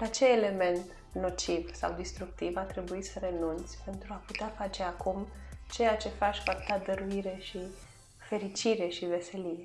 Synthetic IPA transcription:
lat͡ʃeːle̞me̞nt̪ | no̞t͡ʃivsa̰wd̪ist̪ɾuk̚t̪ivat̪ɾe̞buisəɾe̞nunt̪sʲpe̞nt̪ɾuaput̪eafat͡ʃe̞akumt͡ʃe̞jat͡ʃe̞fat͡ʃʲfapt̪ad̪əɾuiɾe̞ʃi | fe̞ɾit͡ʃiɾe̞ʃive̞se̞lije̞

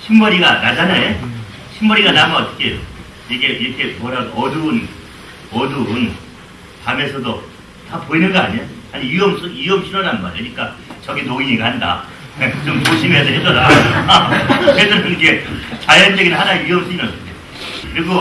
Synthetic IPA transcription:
ɕʰimbʌɾiɡanad͡ʑanae | ɕʰimbʌɾiɡanamaʌt͈ʌ̥kʰejo̰ | iɡe̞ʔiɾʌkʰe̞mwʌɾaɡdoʔʌdun | ʌdun | tame̞sʰʌdo | tapoinɯnɡʌaɲoaɲiiʌmsʰiʌmɕʰiɾʌɾanma̰ɾʌɲik͈at͡ɕʌɡinoiɲiɡahanda̰ | et͡ɕomtoɕʰimesʰʌɦed͡ʑʌda | kesʰʌɾʌnikʰe̞t͡ɕajʌnd͡ʑʌɡinɭɦanajiʌmsʰɯiɾʌsʰɯde | kɯɾiɡo

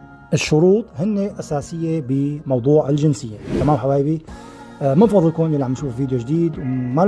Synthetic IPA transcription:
ʔɪʃːʊɾuːt̪ˤhɪnːeʔasaːsɪjːebɪmɑwd̪ˤuːʕɪlʒɪnsɪjːek̪amaːmħabaːjbi | mɪnfɑɾˤlkonɪlːiʕamːaʃuːfviːd̪joʒd̪iːd̪wma

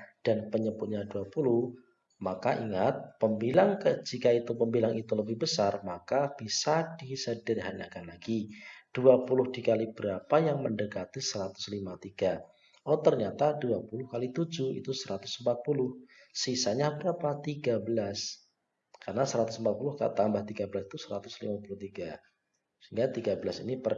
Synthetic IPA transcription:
d̥anpəɲəbʊt̪̚ɲaduapulʊh | makaʔiŋat̪̚pəmbilaŋkəd͡ʒikait̪upəmbilaŋit̪uləbɪhbəsarmakab̥isadisədərɦana̰kanlaɡid̥uapulʊhdikalib̥əɾapajaŋməndəkat̪isəɾat̪ʊ̥slimat̪iɡ̥a | ʔɔt̪ərɲat̪aduapulʊhkalit̪ud͡ʒuḭt̪usəɾat̪ʊ̥sm̩pat̪̚pulʊhsisaɲabəɾapat̪iɡabəlas | karnasəɾat̪ʊsmpat̪̚pulʊhka̰ʔt̪ambaht̪iɡabəlasit̪usəɾat̪ʊslḭmapulʊht̪iɡa | səiŋɡat̪iɡabəlasḭnipər

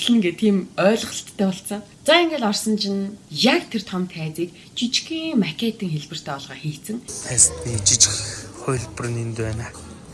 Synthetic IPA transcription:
ɮɘ̆ŋɡet̪ʰiːmœːɮ̆əɬt̪ʰːæːpɔɬsə̆ŋ | t͡saiŋɡeːɮɔrsɞ̆nt͡ɕʰinjakt̪ʰer̥t̪ʰɔmt̪xæːt͡siːk | t͡ɕit͡ɕkiːŋmakʲʰet̪ɘ̆ŋxeɮpɘ̆r̥t̪ʰæːɔɮʁaːxiːt͡sɘ̆ŋt̪ʰæːst̪niːt͡ɕit͡ɕɪ̆xχʊjɮpə̆r̆nint̪uwæːnaː

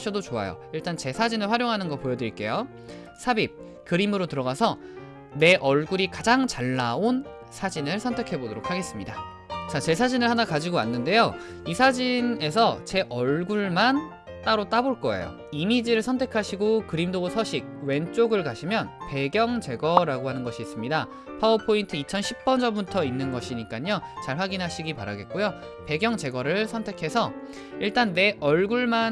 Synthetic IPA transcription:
ɕʰʌdot͡ɕoa̰jo̰iɭt͈ant͡ɕe̞sʰad͡ʑinɯɭɸwaɾjoŋɦanɯnɡʌpojʌdiɭk͈e̞̰jo | sʰabip̚ | kɯɾimɯɾotɯɾʌɡasʰʌ | ne̞ʔʌɭɡuɾikad͡ʑaŋt͡ɕaɭːaon | sʰad͡ʑinɯɭsʰʌntʰekʰe̞bodoɾo̰kʰaɡe̞s͈ɯmɲida̰ | t͡ɕat͡ɕe̞sʰad͡ʑinɯɭhanakad͡ʑiɡoa̰nːɯnde̞jo | isʰad͡ʑine̞s̬ʰʌt͡ɕe̞ʔʌɭɡuɭman | t͈aɾot͈aboɭk͈ʌḛjo̰ | imid͡ʑiɾɯɭsʰʌntʰe̞kʰaɕʰiɡokɯɾimdosʰʌɕʰiɡ̚we̞nt͡ɕ͈oɡɯɭkaɕʰimjʌnpe̞ɡjʌŋt͡ɕe̞ɡʌɾaɡoɦanɯnɡʌɕʰiːs͈ɯmɲida | pʰaopʰointʰɯit͡ɕʰʌnɕʰip̚p͈ʌnd͡ʑʌbutʰʌinːɯnɡʌɕʰiɲik͈aɲot͡ɕaɭɸwaɡinɦaɕʰiɡipa̰ɾa̰ɡe̞t̚k͈ojo | pe̞ɡjʌŋt͡ɕe̞ɡʌɾɯɭsʰʌntʰe̞kʰe̞sʰʌ | iɭt͈anːe̞ʔʌɭɡuɭman

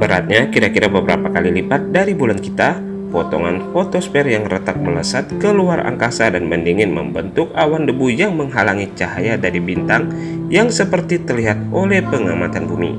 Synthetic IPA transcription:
bəɾa̰t̪̚ɲakiɾakiɾabəbɾa̰pakalilipat̪̚daɾibulankit̪a | pɔt̪ɔ̰ŋanfot̪ospɛrjaŋrət̪ak̚mələsat̪̚kəluaɾʔa̰ŋkasadanməndiŋɪnmə̰mbənt̪ʊk̚awandəbujaŋməŋɦalaŋit͡ʃaɦajadaɾibint̪aŋ | jaŋsəpərt̪it̪ərliɦat̪olɛhpəŋamat̪anbumḭ

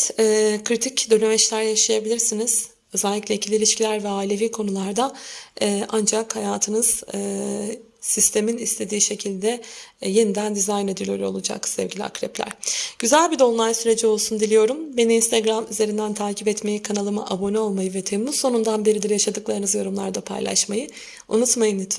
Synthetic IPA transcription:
t̪ɛːkʰɾit̪ʰicd̪ø̞nymɛt͡ʃlʲæɾjaʃajabilʲiɾsiniz̥ | øzɛlʲːicʲlʲɛicʰilʲilʲiʃcʰilʲæɾvɛaːilʲe̞viːkʰo̞nulˠaɾd̪aɛːʔand͡ʒakhajaːt̪ʰɯnɯz̥ | sist̪ʰe̞minist̪ʰe̞d̪iːʃe̞cʰilʲd̪ɛje̞nid̪ænd̪izajne̞d̪ilʲoɾʲiolˠud͡ʒa̰ksɛvɟilʲḭa̰kɾɛ̰plʲæ̰ɾ̥ɟ̥yzælʲbid̪o̞lˠmˠajsyɾe̞d͡ʒio̞lˠsund̪ilʲijo̞ɾumbe̞niinst̪aɡɾamyze̞ɾind̪ænt̪ʰaːcʰipɛt̪me̞jikʰanalˠɯma̰ʔabo̞nɛo̞lˠmajɯvɛt̪ʰemuzso̞nund̪anbe̞ɾid̪iɾjaʃad̪ɯklˠaɾɯnɯzjo̞ɾumlˠaɾd̪apʰa̰jlˠa̰ʃmajɯ | ṵnut̪majɯnit̪

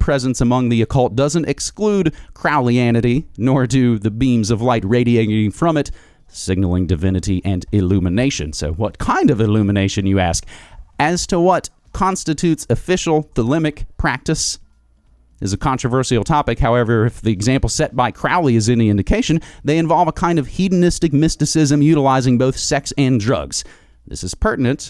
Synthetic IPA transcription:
pʰɹ̥ɛzɨ̃nsəmʌ̃ŋðiɨkʰʌlˠt̚d̥ʌzɨ̃n̩tɨkskludkʰɹ̥aʊlˠiænɨɾinə˞dɨðɨbĩmzʌvlaɪt̚ɹeɪɾieɪɾɪ̃ŋɪ̃ŋfɹʌ̃mɨt̚ | sɪɡ̚nl̩ˠɪ̃ŋdɨvɪ̃nɨɾiʔɨ̃nɨlʉmɨneɪʃɨ̰̃nsoʊwʌt̚kʰãɪ̃ndʌvɨlʉmɨneɪʃɨ̃njɨæskɨz̥tʰəwʌt | kʰɑ̃nstɨtʰʉtsɨfɪʃl̩ˠð̥əlɪmɨkpʰɹ̥æk̚tɨs | ʔɨzɨkʰɑ̃nt͡ʃɹ̥əvɜ˞sil̩ˠtʰɑpɨkhaʊɛvə˞ɨfðiɨɡzæ̃mpl̩ˠsɛt̚b̥aɪkʰɹ̥aʊlˠiɨzɨ̃nðiɪ̃ndɨkʰeɪʃɨ̃nðeɪɨ̃ɱvɑlˠvəkʰãɪ̃ndʌv̥hidⁿn̩ɪstɨk̚mɪstɨsɪzɨ̃mjʉɾəlaɪzɪ̃ŋboʊθsɛksɨ̃ndɹʌ̰ɡz̥ | ðɪ̰sɨz̥pʰɜ˞ʔn̩ɨ̃nt

